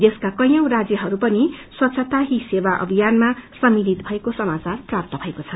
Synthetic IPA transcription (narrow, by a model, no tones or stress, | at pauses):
d̪eskakʌjʌw̃rad͡zjʌɦʌɾupʌniswʌt̪sʰʌt̪aɦisebaʔʌ̰bʱijanmasʌmilit̪bʱʌekosʌmat͡sarprap̚t̪ʌbʱʌekot͡sʰʌn